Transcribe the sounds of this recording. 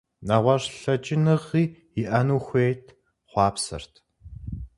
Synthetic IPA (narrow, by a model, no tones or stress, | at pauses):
naʁʷɐrɬɐt͡ʃɪnɨʁiː | iʔɐnuːxʷeːtʰ | χʷɑːpsɐ̰rtʰ